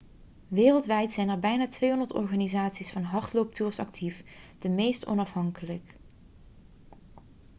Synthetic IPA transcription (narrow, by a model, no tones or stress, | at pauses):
ʋeːrəlˠtʋɛjtsɛjnəɹbɛjnaːtʋejɦɔndəɹtɔ̰ɹχaːnizaːtsisfɑnɦɑɹtlowp̚tuːɹsɑ̰k̚tʰifd̥əmejstɔ̰nɑfɦɑŋkələk